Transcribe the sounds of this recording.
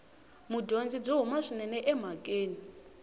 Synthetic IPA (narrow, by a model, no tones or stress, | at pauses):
mudʱond͡zid͡zɔɦumaʂinɛnɛʔɛm̤akʼeːni